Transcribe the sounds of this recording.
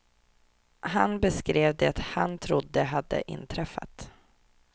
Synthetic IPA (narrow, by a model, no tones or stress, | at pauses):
hanbəskɾeːvd̪ɛat̪hant̪ʰɾʊd̪ːəɦad̪ːə̰ʔɪ̰nːt̪ʰɾɛfːa̰t̪